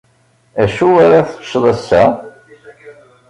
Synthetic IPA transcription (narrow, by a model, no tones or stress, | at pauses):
æʃuaɾaθʃðˤæsːæ̰